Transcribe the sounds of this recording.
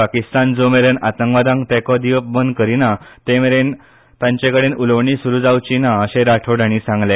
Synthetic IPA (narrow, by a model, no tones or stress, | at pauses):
pakist̪and͡zomeɾənat̪əŋɡʋad̪ãŋkt̪ɛkɔd̪iʋəpbənd̪kəɾinat̪emeɾen | t̪ãɲt͡ɕẽkəɽenuləʋɳisuɾuːd͡zawt͡ɕinaəɕẽɾaʈʰoɽʱaɽ̃isãŋɡle